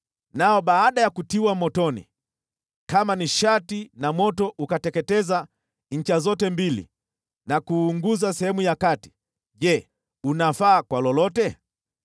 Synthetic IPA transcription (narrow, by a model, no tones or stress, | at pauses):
naɔɓaːɗajakutiwamɔtɔnḭ | kamaniʃatinamɔtɔʔukatɛkɛtɛza | ɲ̩t͡ʃazɔtɛmbilḭ | nakuːŋɡuzasɛhɛmujakati̥ | ʄɛ | unafaːkwalɔlɔtɛ